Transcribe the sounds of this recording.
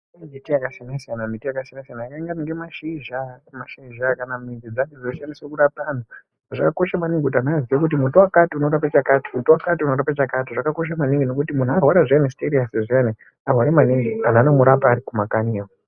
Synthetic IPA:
mitijakasinasijanamitijakasinasijanajakaiŋɡaniŋɡemaʃiʒamaʃiʒakanamind͡ʒid͡zaked͡zozʃaniswekurapana | ʐakako̞ʃamaniŋɡekutianaːziwek̬ut̬imutowakatiuno̞ɾapat͡ʃakati̥mutowakatiunoɾapat͡ʃakatiʐakako̞ʃ̬amaniŋɡino̞kutimun̤uarwaɾaʐianesteɾiaseʐiane | arwaɾemaniŋɡian̤anomuɾapaːɾikumakania

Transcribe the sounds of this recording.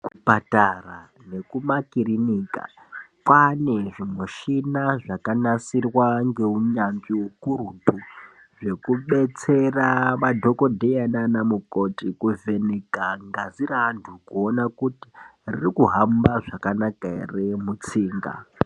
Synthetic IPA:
ku̥patara | ne̞kumakiriniːka̰ | kwane̞ʐimweʃinaʐakanasirwaŋɡe̞uɲanʐiukuɾutu | ʐe̞kuɓe̞t͡se̞raʋadʱo̞ko̞dʱejananamukotikuve̞nekaŋɡazirantʰukuo̞nakuti̥ririkuɦambaʐakanakairemut͡siːŋɡa̰

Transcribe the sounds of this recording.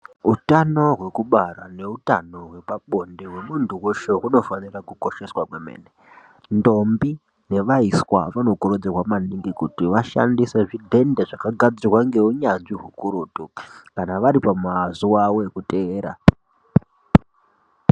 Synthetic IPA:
utano̞ɦwe̞kuɓarane̞uta̰no̞ɦwe̞paɓo̞ndeɦwe̞muntuwoʃe̞runo̞fanirakuko̞ʃe̞swakwemḛːne | ndo̞mbi | ne̞ʋaiswa̰ʋano̞koɾo̞d͡zerwamaniŋɡikutiʋaʃa̰ndiseʐidʱe̞ndeʐakaɡʱad͡zirwaŋɡe̞uɲanʐiɦukuɾotokanaʋaɾipamazuwawoekuteːɾa̰

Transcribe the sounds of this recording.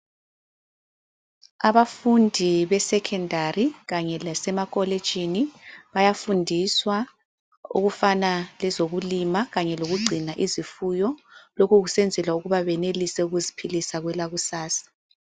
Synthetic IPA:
aβafundʱiβɛsɛkʰɛndʱariɣaɲɛlasɛmakʼɔled̥ʒ̥ʱiniβajafundʱiswa | ṵɣufanalɛzoɣulimaɣaɲɛloɣuɡ͡ǀʱinaʔizifujɔlɔkuɣusɛnd͡zʱɛlauɣuβaβɛnelisɛuɣuzipʰilisaɣwɛlaɣusaːsḁ

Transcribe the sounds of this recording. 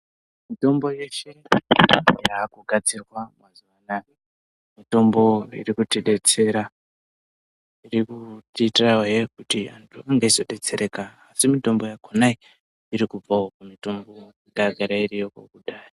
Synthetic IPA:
mito̞mbo̞je̞ʃe̞ | jaːkuɡʱat͡sirwamazuʋana | mito̞mbo̞ḭrikutiɗe̞t͡se̞ɾa | irikutitrawajekutiantʰuaŋɡaiso̞ɗe̞t͡se̞ɾe̞kaːsimito̞mbo̞jakʰonai | iɾikub͡vaokumito̞mbo̞ | ŋɡaɡʱaɾairijo̞ko̰kuɗaːjo

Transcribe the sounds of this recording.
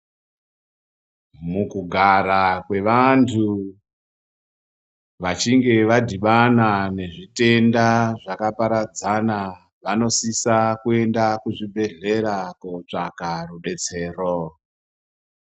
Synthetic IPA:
mukuɡʱaɾakwe̞ʋantʰu | ʋat͡ʃiŋɡe̞ʋadʱiɓanane̞ʐite̞ndaʐakapaɾad͡zana | ʋano̞sisakue̞ndakuʐibʱe̞ɮe̞ɾakout͡ʂakaruɗe̞t͡se̞ːro

